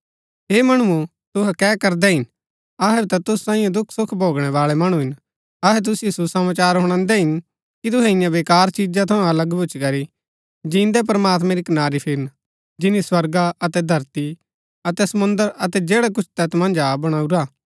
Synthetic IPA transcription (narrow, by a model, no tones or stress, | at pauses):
ɦeːmɐɽ̃uũ | t̪ʊɦɛkɛːkɐɾd̪ɛɦɪn | ɐɦɛt̪at̪ʊssãːĩjõd̪ʊkʰsʊkʰbʱoːɡɽ̃ɛʋaːɭɛmɐɽ̃ũɦɪn | ɐɦɛt̪̬ʊsijosusɐmaːt͡ʃaːɾɦʊɽ̃ãːnd̪ɛɦɪn | kit̪̬ʊɦɛɪ̃jãʋeːkaːɾt͡ʃid͡ʒãt̪ʰɐũɐləɡbʱʊt͡ʃʰkɐɾi | d͡ʒĩːnd̪ɛp̬ɾɐmaːt̪mɛ̃ɾikɐnaːɾipʰɪɾn | d͡ʒɪniswɐɾɡaɐt̪ɛd̪ʱɐɾt̪i | ɐt̪ɛsɐmʊ̃nd̪əɾɐt̪ɛd͡ʒeːɽɛk̬ʊt͡ʃʰt̪ɛt̪mɐ̃nd͡ʒabɐɽ̃aːuɾaː